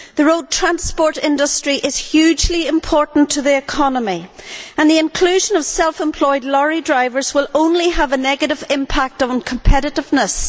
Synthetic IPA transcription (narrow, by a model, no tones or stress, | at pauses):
ðəɹoʊd̚tʰɹ̥ãnspɔɹɾɪ̃ndəstɹ̥iʔɪz̥hjʉd͡ʒliɪ̃mpʰɔɹʔn̩tʰəðiɨkʰɑnəmiə̃nðiɪ̃nkʰl̥ʉʒə̃nʌv̥sɛlˠfə̃mpʰl̥ɔɪdˡlɔɹidɹaɪvə˞zwɪlˠõʊ̃nliəvənɛɡɨɾɨvɪ̃mpʰak̚tn̩kʰə̃m̩pʰɛɾɨɾɪvnəs